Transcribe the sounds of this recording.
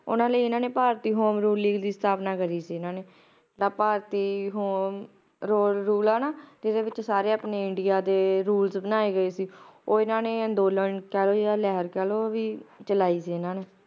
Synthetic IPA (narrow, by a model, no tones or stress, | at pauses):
ʊ̰nãːləiːɪnãːneːpaːɾt̪iːɦoːmɾuːlːiːɡd̪iːst̪ʰaːpnaːkəɾiːsiːɪnãːneː | ʈãːpaːɾt̪iːɦoːm | ɾoːlɾuːlaːnaːd͡ʒɪd̪eːʋɪt͡ʃsaːɾeːaːpneːɪɳɖɪjaːd̪eːɾuːlsbənaːeːɡəeːsiːoːɪnãːneːənd̪oːlənkɛːloːd͡ʒjaaːlɛːɦəɾkɛːloːʋiːt͡ʃəlaːiːsiːɪnãːneː